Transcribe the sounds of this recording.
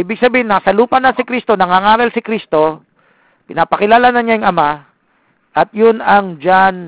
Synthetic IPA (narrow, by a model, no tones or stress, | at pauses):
ʔiːbɪɡ̚sɐbiːhɪnːɐsɐluːpɐnɐnsɪkɾist̪o̞nɐŋaːŋaːɾɐlsɪkɾist̪o̞ | pɪnaːpɐkɪlaːlanɐɲajʊŋɐma | ʔɐt̪̚jʊnɐŋd͡ʒan